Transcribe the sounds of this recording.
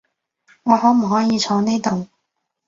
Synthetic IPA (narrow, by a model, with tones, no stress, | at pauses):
ŋɔː˨˧hɔː˨˥m̩˨˩hɔː˨˥jiː˨˧t͡sʰɔː˨˧ne˥t̪o˨w